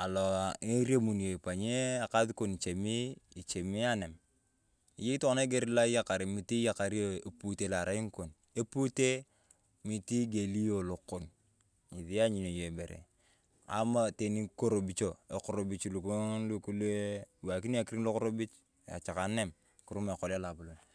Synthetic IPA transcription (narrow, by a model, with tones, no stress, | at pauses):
a˨lɔ˨e˦ɾe˦mu˨nje˨pa˨ɲe˦a˨ka˦ði˦ko˦˨ni˨t͡ʃe˨mi˦i˨t͡ʃe˨mi˦a˦ne˨m | i˨je˦i˦tne˦ɡe˦ɾi˦la˦ja˦˨ka˨ɾe˨mi˨ti˦ja˨ka˨ɾi˦o˦e˨pu˨te˨la˨ɾa˨˦i˦ŋ˦ko˨n | e˦pu˦te˦ | mi˨ti˦ɡe˨li˦jo˨lo˨ko˨n | i˨ði˦a˦ɲi˨no˨je˨be˨ɾḛ˨ | a̰˨ma˦˨te˨ni˦ko˦ɾo˨bi˨t͡ʃo˨e˨ko˨ɾo˨bi˨t͡ʃlu˨ko˦ŋlu˦ku˦le˦˨wa˨ki˦n˦a˦˨ki˦ɾi˦ŋlo˦kʊ˦ɾo˦bi˦t͡ʃ | a̰˨t͡ʃa˨ka˨˦ne˦˨m | ku˨ɾu˦me˨kɔ˨la˦la˨bu˨lo˨n